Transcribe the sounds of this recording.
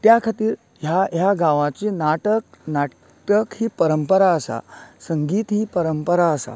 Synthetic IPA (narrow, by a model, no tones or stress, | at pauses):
t̪jakʰat̪iːɾ | ɦjaɦjaɡaʋãt͡ɕiːnaʈək̚na | ʈəkhiːpəɾəmpəɾaəsa̰səŋɡiːt̪ɦiːpəɾəmpəɾaəsa̰